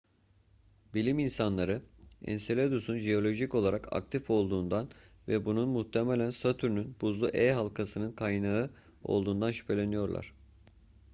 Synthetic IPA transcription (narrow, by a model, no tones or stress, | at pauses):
bilʲiminsanlˠaɾɯɛ̰nselʲed̪usunʒeo̞lʲo̞ʒico̞lˠaɾaka̰k̚t̪ʰifo̞lˠd̪uːnd̪an | vɛbununmuht̪ʰemɛlʲænsat̪ʰyɾnynb̥uzlˠuʔɛjɦalˠkʰasɯnɯnkʰajnaɯ | o̞̰lˠd̪uːnd̪anʃy̥pʰe̞lʲe̞nijo̞ɾlˠa̰ɾ̥